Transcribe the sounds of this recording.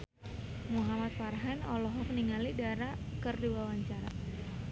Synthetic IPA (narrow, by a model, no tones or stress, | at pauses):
muɦamat̪̚farɦanɔlɔɦɔməniŋalidaɾakərdiwawaɲt͡ʃaɾa̰